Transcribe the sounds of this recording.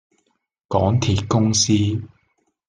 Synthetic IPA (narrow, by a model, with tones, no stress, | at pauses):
kɔː˨˥ŋt̪ʰiː˧t̚kʊ˥ŋsiː˥